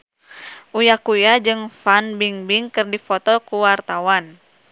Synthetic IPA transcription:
ʔujakujad͡ʒɨŋfanbiŋbiŋkɨrdifɔt̪ɔkuwart̪awan

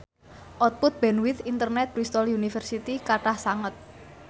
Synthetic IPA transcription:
ʔɔt̪̚pʊt̪̚b̥ɛnwɪt̪int̪ərnɛt̪̚bɾist̪ɔljunifərsit̪ikaʈahsaŋət̪̚

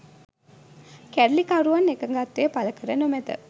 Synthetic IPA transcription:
kæɖlikaɾuʋanːekəŋɡat̪ːeːpaləkəɾənəmæd̪ə̰

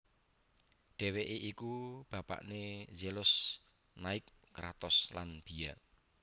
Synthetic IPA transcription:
ɖ̥ɛ̤weʔeʔikub̥a̤pa̰ʔnezelʊs | naɪkːɾa̰t̪ɔslanb̥i̤ja

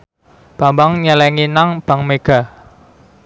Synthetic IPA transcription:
b̥a̤mbaŋɲɛlɛŋinaŋb̥a̤ŋmeɡ̥a̤

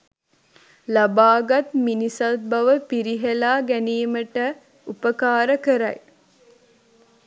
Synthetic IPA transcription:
labaːɡat̪minisɐt̪̚bɐʋəpiɾiɦelaːɡæniːməʈə | upəkaːɾəkəɾɐ̰j

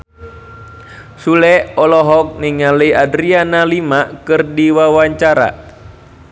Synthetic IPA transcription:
sulɛɔlɔɦɔk̚niŋaləiadɾianalimakɨrdiwawaɲt͡ʃaɾa̰

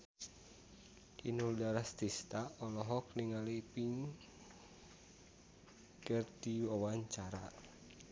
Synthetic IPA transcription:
inuldaɾast̪ist̪aɔlɔɦɔk̚niŋalipiŋ | kərd̪̥iwawaɲt͡ʃaɾa

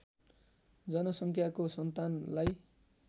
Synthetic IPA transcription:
d͡zʌnʌsʌŋkʰjakosʌnt̪anlaj

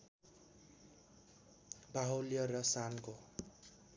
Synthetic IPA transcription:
baɦoljʌrʌsanko

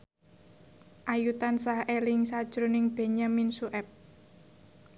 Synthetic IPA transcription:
ʔajut̪ansahelɪŋsad̥ʒ̥ɾonɪŋb̥e̤ɲaminsuʔɛp̚

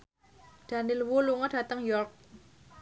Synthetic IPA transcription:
d̥a̤nilwuluŋəɖ̥ä̤t̪əŋjɔrk̚

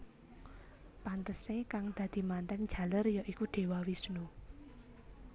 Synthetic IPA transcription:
pant̪əsekaŋd̪̥ä̤d̪̥i̤mant̪ɛŋ̥d͡ʒ̥a̤lərjɔʔikud̪̥e̤wawisnu

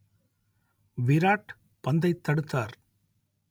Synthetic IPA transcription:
ʋɪɾaːʈ | pɐnd̪ɐɪt̪ːɐɽɯt̪ːaːɾ

